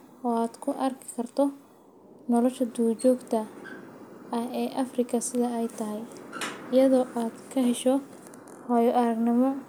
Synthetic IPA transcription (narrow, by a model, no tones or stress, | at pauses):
ɔːaːd̪̥kʰʊʔɐrkʰɪ̥kʰɐrt̪ʰɔ | nɔlɔʃɐd̪uːt͡ʃɔːɡt̪ʰɐ | ɐhɛːʔɐfrɪkʰɐsɪðɐɛjt̪ʰɐɦɛjɪjɐðɔːʔaːd̪̥kʰɐɦɛʃɔ | hɔjɔʔɐɾɐɡnɪmɔ